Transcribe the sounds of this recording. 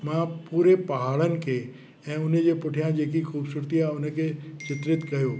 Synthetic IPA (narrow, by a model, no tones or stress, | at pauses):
mãpuːɾepɐɦaːɭənɪ̆kʰe | ɛ̃ːʊned͡ʒepʊʈʰijãd͡ʑeːkikʰuːbsʊɾt̪iaʊneket͡ʃɪt̪ɾɪt̪ɡɐjoː